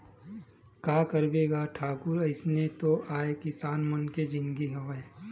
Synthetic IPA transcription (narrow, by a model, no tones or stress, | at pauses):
kaːkɐɾbeːɡaʈʰaːkʊɾɐɪsnet̪oʔaːekɪsaːnmɐnked͡ʒɪ̃nɡiɦoʋe